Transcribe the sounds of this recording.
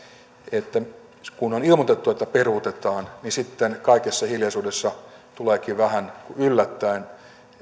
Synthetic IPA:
et̪ːæ | kunonilmot̪et̪ːuet̪ːæperut̪et̪ɑːnnisit̪ːenkɑikesːɑhiljɑsuːdesːɑt̪uleːkiʋæhænkuylːæt̪ːæin

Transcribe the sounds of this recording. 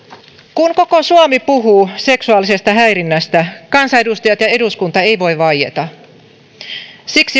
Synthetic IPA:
kuŋkokosuomipuɦuːse̞ksuɑlise̞st̪ɑɦæjɾinːæst̪ækɑnsɑe̞dust̪ɑjɑt̪jɑe̞duskunt̪ɑejʋo̞iʋɑjḛt̪ɑ | siksi

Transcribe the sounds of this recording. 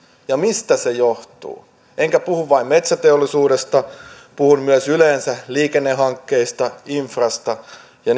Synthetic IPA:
jɑmist̪æsejoht̪ṵː | ʔeŋkæpuhuʋʋɑimmet̪sæt̪eolːˑisuːɾest̪ɑ | puhunmyøsyleːnsæliːkenːeɦɑŋkːe̞ist̪ɑiɱfrɑst̪ɑ | jɑn

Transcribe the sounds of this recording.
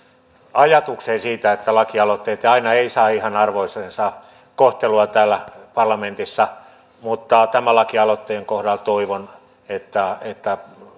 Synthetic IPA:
ɑjɑt̪ukseːnsiːt̪æet̪ːælɑkiɑlot̪ːeːt̪ɑinɑeisɑːihɑnɑrʋoisensɑ | koht̪eluɑt̪æːlːæpɑrlɑment̪isːɑ | mut̪ːɑt̪æmælɑkiɑlot̪ːeːŋkohdɑlt̪oiʋon | et̪ːæet̪ːæ

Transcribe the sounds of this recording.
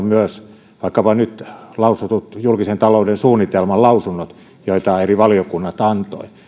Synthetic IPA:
myøs | ʋɑˑikːɑpɑnyt̪lɑusut̪ut̪julkisent̪ɑloˑudensuːnːit̪elmɑlɑusunːot̪ | joit̪ɑeriʋɑliokunːɑt̪ɑnt̪o̰i

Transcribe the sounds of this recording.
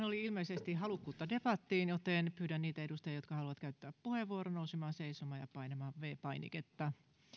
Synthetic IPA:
noliilmeisest̪ihɑlukːuːt̪ːɑdepɑt̪ːiːnjot̪enpyːɾænniːt̪æedust̪ɑjɑjot̪̚kɑhɑluʋɑt̪kæyt̪ːæːppuheʋːuoronousemɑːseisomɑːjɑpɑinemɑːʋʋeːpɑinḭket̪ːɑ

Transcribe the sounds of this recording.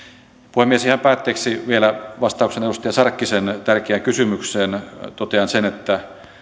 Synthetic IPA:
puhemiesihæmpæːt̪ːeːksiʋielæʋɑst̪ɑukseneɾust̪ɑjɑsɑrkːisent̪ærkeæŋkysymykseːnt̪ot̪eɑnsenet̪ːæ

